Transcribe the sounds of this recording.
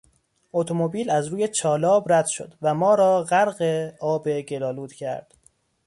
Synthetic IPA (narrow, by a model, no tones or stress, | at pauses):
ot̪ʰomobiːlæzɾuːjet͡ʃʰɒːlɒːbɾæd̪̥ʃo̞̰d̪væmɒːɾɒːɣæɾɢeɒːbeɡe̞lɒːluːd̪̥cʰæ̰ɾd̪̥